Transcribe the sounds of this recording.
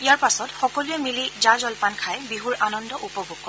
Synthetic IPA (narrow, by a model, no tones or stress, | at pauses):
ijaɹpasɔtxɔkɔluɛmilizazɔlpankʰajbiɦuɹanɔndɔʔupɔbʱuɡ̚kːɔ